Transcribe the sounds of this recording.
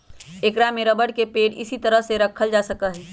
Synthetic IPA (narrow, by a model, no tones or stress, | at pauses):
ekɾameɾəbəɽkepeːʈɪ̰sit̪əɾəɦseɾəkʰəld͡ʒasəkəɦɛ